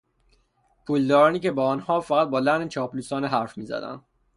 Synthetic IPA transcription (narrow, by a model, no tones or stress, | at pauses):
pʰuːld̪ɒːɾɒːniːcʰebɒːɒːnhɒːfæɣæt̪̚bɒːlænet͡ʃʰɒːpluːsɒːneɦæɾfmiːzæ̰d̪æ̰nd̪